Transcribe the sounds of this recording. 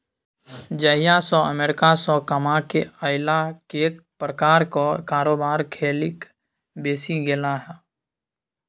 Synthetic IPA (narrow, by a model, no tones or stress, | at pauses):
d͡ʒəɦjasɔəmeːɾɪkasɔ̃kəmakeəɪlakeːk̪̚pɾəkaːɾkokaːɾoːbaːɾkʰeːlɪk | beːsiɡelaɦɛː